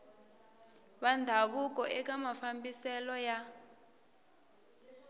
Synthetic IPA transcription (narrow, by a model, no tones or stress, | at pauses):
ɓandʱaβuk̬ʼɔʔɛk̬ʼamafambisɛlɔja